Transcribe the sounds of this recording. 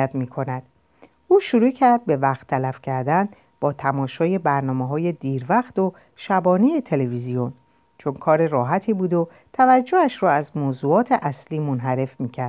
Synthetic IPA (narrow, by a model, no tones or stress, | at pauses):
æt̪miːkʰo̞næd̪̥ | ʔuːʃuɾuːcʰæɾd̪̚be̞væχt̪ʰːælæfcʰæɾd̪æn | b̥ɒːt̪ʰæmɒːʃɒːje̞bæɾnɒːmeɦɒːje̞d̪iːɾvæxt̪o̞ | ʃæbɒːnijet̪ʰe̞levizijo̞n | t͡ʃʰo̞nkʰɒːɾe̞rɒːɦæt̪ʰiːbuːd̪o̞ | t̪ʰævæd͡ʒːoæʃɾɔːæzmoːzuːɒːt̪ʰe̞ʔæsliːmonɦæɾe̞fmiːcʰæɾ